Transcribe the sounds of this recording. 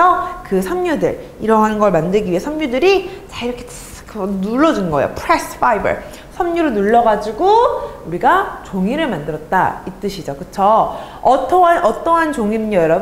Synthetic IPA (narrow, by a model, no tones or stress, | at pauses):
ʌkɯsʰʌmɲudɯ̰ɾiɾʌŋɦanɯnɡʌɭmandɯɭɡiɥiɦe̞sʰʌmɲudɯɾit͡ɕaiɾʌkʰe̥ | knuɭːʌd͡ʑunɡʌḛo̰pʰɾes͈ʰbaibʌ̰ɭ | sʰʌmɲuɾɯnuɭːʌɡad͡ʑiɡouɾiɡat͡ɕoŋiɾɯɭmandɯɾʌt̚t͈a̰it͈ɯɕʰid͡ʑokɯt͡ɕʰʌ | ʌt͈ʰʌanʔʌt͈ʌɦant͡ɕoŋinɯnʌjʌɾʌb